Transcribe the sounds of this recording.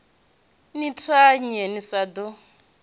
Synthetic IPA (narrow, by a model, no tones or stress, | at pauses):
nitʰaɲɛnisad̪ɔ